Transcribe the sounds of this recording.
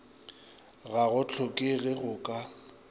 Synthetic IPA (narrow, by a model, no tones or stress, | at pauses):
ɣaɣʊt͡ɬʰɔkʼɪɣɪɣʊkʼa